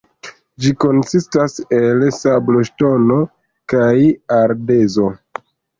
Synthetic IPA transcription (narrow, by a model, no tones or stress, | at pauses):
d͡ʒiko̞nsistase̞lsablo̞ʃto̞no̞ | kajaɾdezo̞